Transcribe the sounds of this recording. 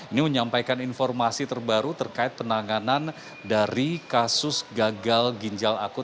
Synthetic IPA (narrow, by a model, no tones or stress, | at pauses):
iniməɲampajkaninfɔrmasit̪ərbaɾut̪ərkaɪt̪̚pənaŋanan | daɾikasʊsɡaɡalɡiɲd͡ʒala̰kʊt̪̚